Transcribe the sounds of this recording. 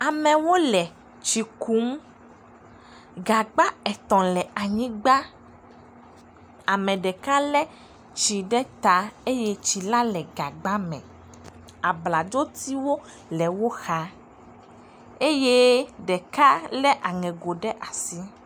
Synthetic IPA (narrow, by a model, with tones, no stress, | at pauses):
a˨mɛ̃˨wo˦lɛ˨ | t͡ʃi˨ku˦m | ɡa˨ɡ͡ba˦ɛ˨t̪ɔ̃˨lɛ˨a˨ɲĩ˦ɡ͡ba˦ | a˨mɛ̃˨ɖɛ˨ka˦lɛ˦ | t͡ʃi˨ɖɛ˦t̪a˨e˦je˦t͡ʃi˨la˦lɛ˨ɡa˨ɡ͡ba˦mɛ̰̃˨ | a˨bla˨d͡ʒo˦t̪i˦wo˦ | lɛ˨wo˦xa˦ | e˦je˦ɖɛ˨ka˦lɛ˦ʔa˨ŋɛ̃˨ɡo˨ɖɛ˦ʔa˨si˦